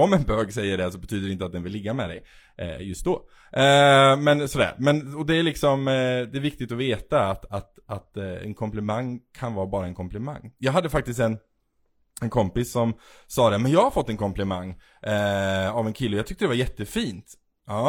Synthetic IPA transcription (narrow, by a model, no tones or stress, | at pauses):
ɔmɛnbøːɡsɛjːəɖɛsɔbɛt̪ʰyːd̪əɾɛɪnt̪əat̪̚d̪ɛnvɪlːɪɡːamɛd̪ɛj | ʔɛ̰jɵst̪̚d̪ɔː | ɛmɛnsɔd̪æ̰ːɾmɛnɔd̪ɛæɭɪksɔmd̪ɛæɾvɪkt̪ɪt̪ɔveːt̪aːt̪at̪at̪ɛ̰nkʰɔmplɛmaŋːkʰanvɑːbɑːɾaɛnkʰɔmplɪma̰ŋːjɑːɡɦad̪ːəfak̚t̪ɪs̬t̪ɛn | ɛnkʰɔmpɪsːɔmsɑːd̪ɛmɛnjɑːɡhaɾfɔt̪ːɛnkʰɔmplɪmaŋː | avɛnkʰɪlːəɔjɑːɡt̪ʏkt̪əd̪ɛvaɾjɛt̪ːəfiːnt̪ | ɑ